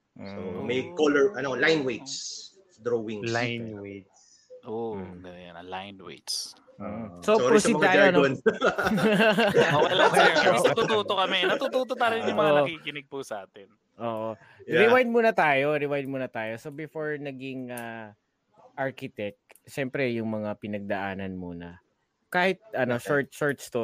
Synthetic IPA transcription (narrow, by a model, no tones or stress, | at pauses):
somɐjkolɛɹʔɐnolajnwejd̪s | d̪ɾoːwɪŋslajnwejt̪s | ʔoɡɐnɐjɐ̰nɐ̰lajnwḛd͡ʒs̩ː | sooːɾosɐɪmɐaːaɐnon | oɐlaɡ̪ɐt̪ut̪uːt̪okɐmɛnɐt̪uːt̪uːt̪ot̪aːɾɐjjʊmɐoʔɐkikɪnɪɡ̚pusɐʔaːt̪ɛn | ʔoːʔo | ɾɪwajd̪̚muːnɐt̪aːjo̞ɾɪwajd̪̚muːnɐt̪aːjo̞sobɪfoɹnɐɡɪŋa | ʔaɹkɪt̪ɛk̚t̪ʃɛmpɾɛjʊŋmɐŋapɪnɐɡ̚d̪ɐʔaːnɐnmuːnɐ̰ | kaːhɪt̪̚ʔɐno̞ʃoɹt̪̚ʃoɹt̪st̪o